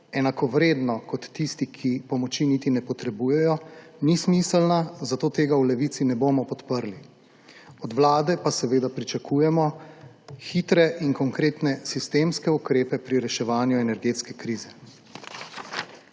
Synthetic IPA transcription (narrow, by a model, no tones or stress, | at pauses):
ɛnakɔʋɾeːd̪nɔkɔt̪ːist̪ikʰipɔmɔt͡ʃinit̪inɛpɔt̪ɾɛbuːjɛjɔnismislnazat̪oːt̪eːɡawlɛʋiːt̪sinɛboːmɔpɔt̪pəɾli | ɔd̪ʋlaːd̪ɛpasɛʋeːd̪apɾit͡ʃakʰuːjɛmɔ | xiːt̪ɾɛʔiŋkɔŋkɾeːt̪nɛsist̪eːmskɛukɾeːpɛpɾiɾɛʃɛʋaːnjuɛnɛɾɡeːt̪skɛkɾiːzɛ